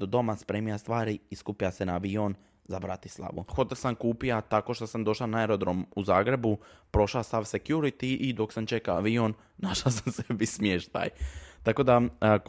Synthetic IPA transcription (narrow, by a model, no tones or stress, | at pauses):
d̪od̪o̞maspɾeːmijast̪ʋaːɾiːskupijase̞naːʋion | zabɾat̪i̥slˠa̰ʋṵxo̞t̪elsamkuːpijat̪ako̞ʃt̪osamd̪o̞ʃlanaeɾo̞d̪ɾo̞muzaːɡɾe̞bupɾo̞ʃlast̪aʋsekjuɾit̪iʔid̪o̞ksamt͡ʃe̞kaaʋionː | aʃlasamsebismjeʃt̪a̰jt̪ako̞d̪a